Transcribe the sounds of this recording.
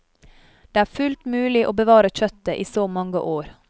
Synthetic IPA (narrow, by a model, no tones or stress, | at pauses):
d̪̥eːæːɾfʉlt̪mʉːlɪʔoːbəʋɑːɾəc͡çœt̪əʔiːsoːmɑŋɡə̰ʔoːɾ